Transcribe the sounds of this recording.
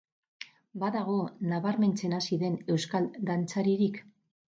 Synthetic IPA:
baðaɣ̞o̞naβaɾme̞nt͡se̞nasiðe̞ne̞wskald̪ant͡saɾiɾik

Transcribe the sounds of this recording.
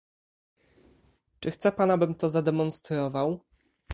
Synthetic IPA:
t͡ʂɘxt̪sɛpanabɘmt̪ɔzad̪ɛmɔnst̪ɾɔvaw

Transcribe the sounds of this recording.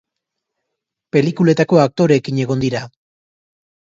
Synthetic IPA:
pe̞likule̞t̪ako̞ak̚t̪o̞ɾe̞kiɲe̞ɣ̞o̞nd̪iɾa

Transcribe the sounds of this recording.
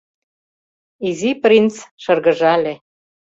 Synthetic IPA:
iziprʲint͡sʃɤ̆rɣə̆ʒɑlʲe

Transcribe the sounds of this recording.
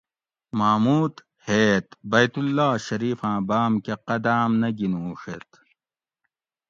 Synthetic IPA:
maːmuːt̪ | heːt̪bɐjt̪ulːaːɕɐɾiːfãːbaːmkeqɐd̪aːmnɐɡinũːʂet̪

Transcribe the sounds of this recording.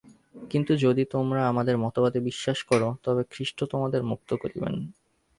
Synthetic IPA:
kint̪ud͡ʑod̪it̪omɾaamad̪eɾmɔt̪obad̪ebiʃːaʃkɔɾot̪ɔbekʰɾiʃʈot̪omad̪eɾmuk̚t̪okoɾḭbḛn

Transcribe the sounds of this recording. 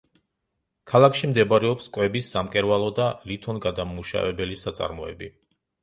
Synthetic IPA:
kʰalˠakʰʃimd̪ɛbaɾɛɔpskʼwɛbisːamkʼɛɾvalˠɔd̪alit̪ʰɔnɡad̪amuʃa̰vɛbɛlisat̪sʼa̰ɾmɔɛ̰bi

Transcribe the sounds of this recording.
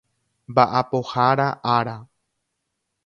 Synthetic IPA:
mbaʔapohaɾaʔaɾa

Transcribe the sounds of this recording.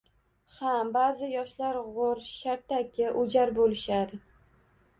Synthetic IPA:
habazɪjɒʃlaɾʁoɾʃaɾt̪ʰakʲʰɪʔʊd͡ʒaɾbolɪʃad̪ɪ

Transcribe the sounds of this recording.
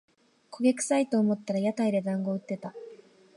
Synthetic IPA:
kʰo̞ɡʲekɯ̟̥sait̪o̞ːmo̞t̪ːaɾajat̪aid̪e̞d̪ãŋɡo̞ɯ̟t̪ːe̞t̪a

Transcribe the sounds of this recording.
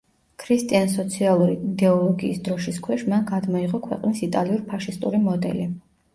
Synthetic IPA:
kʰɾist̪ʼians̬ɔt̪sʰialˠuɾid̪ɛɔlˠɔɡḭːsd̪ɾɔʃiskʰwɛʃmanɡad̪mɔiʁɔkʰwɛ̰qʼnisit̪ʼaliuɾpʰaʃist̪ʼṵɾimɔd̪ɛ̰li

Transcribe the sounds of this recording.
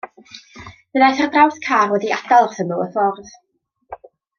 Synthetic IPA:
vənajθardrawθkʰaːrwɛdiadalˠsənuəfɔrð

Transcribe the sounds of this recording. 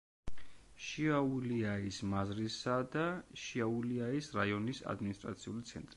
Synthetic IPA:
ʃiauliaismazɾisad̪aʃiauliaisɾaiɔnisa̰d̪minist̪ʼɾa̰t̪sʰiulit̪sʰɛ̰nt̪ʼɾi

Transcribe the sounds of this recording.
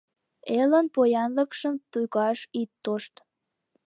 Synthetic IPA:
elənpojɑnləkʃəmt̪ujɣɑʃit̪ːoʃt̪

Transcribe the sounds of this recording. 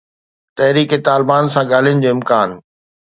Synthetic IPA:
t̪ɐɦɾiːket̪aːlɪbaːnsãɠaːl̤ijənɪ̆d͡ʑoːɪmkaːn

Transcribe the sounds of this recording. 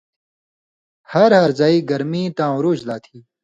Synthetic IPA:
hɐɾhɐɾzaːiːɡɐɾmiːt̪ãːɾuːd͡ʑlaːt̪ʰiː

